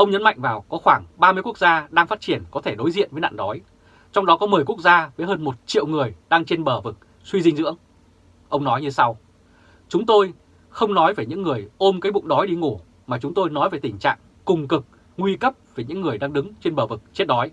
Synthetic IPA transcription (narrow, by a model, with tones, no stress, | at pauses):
ʔə˧wŋ͡mɲə˨˦nma̰˧˨jŋ̟vaː˨˩wkɔ˨˦xwaː˧˩ŋɓaː˧mɨ˧əjku˦˥ək̚zaː˧ɗaː˧ŋfaː˦˥t̚t͡ɕi˧˩ənkɔ˨˦t̪ʰe˧˩ɗo˨˦jzḭ˧˨ənvə˨˦jna̰ː˧˨nɗɔ˨˦j | t͡ɕɔ˧wŋ͡mɗɔ˨˦kɔ˨˦mɨ˨˩jku˦˥ək̚zaː˧vəː˨˦jɦəː˧nmo˨˩t̚t͡ɕḭ˧˨ə˨wŋɨ˨˩əjɗaː˧ŋt͡ɕe˧nɓəː˧˩vɨ˨˩k̚ | swi˧zi˧ŋ̟zɨ̰˧˥əŋ | ʔə˧wŋ͡mnɔ˨˦jɲɨ˧sa˧w | t͡ɕʊ˨˦ŋ͡mt̪o˧j | xə˧wŋ͡mnɔ˨˦jveː˨˩ɲɨ̰˧˥ŋːɨ˨˩əjʔo˧mkaː˨˦jɓʊ̰˧˨ŋ͡mɗɔ˨˦jɗi˧ŋo˧˩ | maː˨˩t͡ɕʊ˨˦ŋ͡mt̪o˧jnɔ˨˦jvəː˨˩jt̪ï˧˩ŋ̟t͡ɕa̰ː˧˨ŋ | kʊ˨˩ŋ͡mkɨ˨˩k̚ | ŋwi˧kə˦˥p̚ve˨˩ɲɨ̰˧˥ŋːɨ˨˩əjɗaː˧ŋɗɨ˨˦ŋt͡ɕe˧nɓəː˧˩vɨ˨˩k̚t͡ɕi˦˥t̚ɗɔ˨˦j